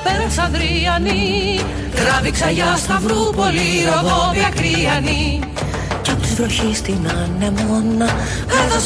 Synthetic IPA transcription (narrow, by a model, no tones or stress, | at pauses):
peɾɐsɐðɾiɐni | ɣɾɐviksɐʝɐst̪ɐvɾupolioðoviɐkɾiɐni | ceɐpot̪izvɾo̞çist̪inɐnemonːɐ | kɐɾðos